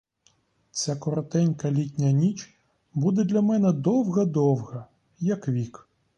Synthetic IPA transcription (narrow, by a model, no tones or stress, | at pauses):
t͡sʲakɔɾɔt̪ɛnʲkɐlʲitʲnʲɐnʲit͡ʃ | bud̪ɛd̪lʲɐmɛnɛd̪ɔwɦɐd̪ɔwɦɐ | jɐkʋʲik